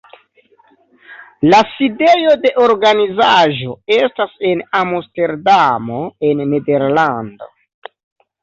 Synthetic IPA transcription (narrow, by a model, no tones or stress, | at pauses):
laside̞jo̞de̞ʔo̞ɾɡanizaʒo̞e̞stase̞namoste̞ɾdamo̞e̞nːede̞ɾlando̞̰